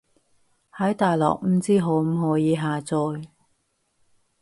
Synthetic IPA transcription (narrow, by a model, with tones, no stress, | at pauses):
hɐ˨˥jt̪aː˨jlɔ̰ː˨k̚m̩˨˥t͡siː˥ɦo˨˥wm̩˨˥ɦɔː˨˥jiː˨˧ɦaː˨t͡sɔː˧j